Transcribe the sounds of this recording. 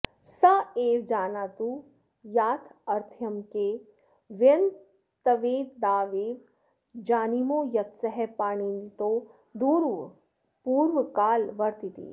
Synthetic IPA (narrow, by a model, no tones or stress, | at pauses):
saeːʋd͡ʒaːnaːt̪u | jaːt̪ʰɐɾt̪ʰjɐmke | ʋen | t̪ɐʋeːd̪d̪aːʋeːʋ | d͡ʒaːnimojɐt̪sɐɦɛpaːɽ̃int̪o | d̪uːɾʋ | puːɾʋkaːlʋɐɾt̪it̪ḭː